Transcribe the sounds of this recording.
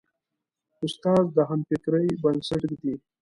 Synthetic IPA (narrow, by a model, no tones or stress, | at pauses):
ʊst̪ɑzd̪əɦampɪkɾəjbɐnsəʈkd̪i